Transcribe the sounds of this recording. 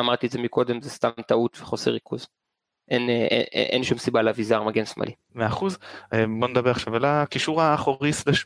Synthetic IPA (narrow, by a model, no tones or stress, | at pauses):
amaʁt̪ietzemiko̞d̪emzest̪amt̪aut̪veχo̞sḛʁikʰuz | ʔenḛḛʔenʃumsibaleavizaʁmaɡensmʔa̰lʔi | meaχuzeboned̪abeʁaχʃavalakiʃuʁaːχoʁisdaʃ